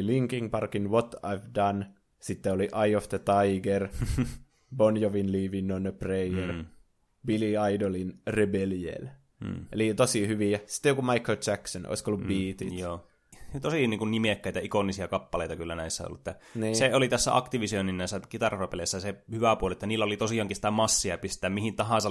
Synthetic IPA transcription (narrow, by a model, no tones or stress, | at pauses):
liŋkiŋpɑrkinʋot̪ɑ̰iʋdɑn | sit̪ːeoliʔɑiofd̪ət̪ɑiɡer | bonjoʋinliːʋinːonəpreier | biliɑidolinrebeljḛːlː | elit̪osihyʋiæsi̥t̪ːejokumɑikolt͡ʃæksono̰iskoolːubbiːt̪ijoː | t̪osiniːŋkunnimekːæit̪æikonːisiɑkɑpːɑleit̪ɑkylːænæisːæ̰o̰lːuet̪ːæ | niːseolit̪æsːæ̰ʔɑ̰kt̪iʋisioninːæˑisːækit̪ɑrrɑpeleˑsːæsehyʋæpuoliet̪ːæniːlːæolit̪osiɑŋkisi̥t̪æmɑsːiɑpist̪æːmmihint̪ɑɦɑ̃ˑnsɑ